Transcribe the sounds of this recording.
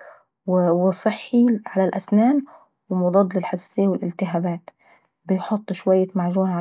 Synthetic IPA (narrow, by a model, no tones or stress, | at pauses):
wwɪsˤɨħːiʕalalʔasnaːn | wɪmʊd̪ˤɑd̪ˤlɪlħasːɪjːawɪlʔɪlt̪ɪɦaːbaːt̪ | bɪjħʊt̪ˤːʃwajːamaʕʒuːɾaʕa